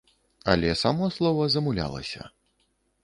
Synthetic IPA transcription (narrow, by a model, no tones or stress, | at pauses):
ɐlʲɛsamɔslˠɔvɐzɐmulʲa̰lˠɐ̰sʲɐ̰